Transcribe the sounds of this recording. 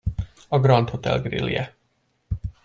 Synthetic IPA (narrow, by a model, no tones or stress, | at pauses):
ɒɡrɒnt̪ho̞t̪ɛ̰lɡrḭljɛ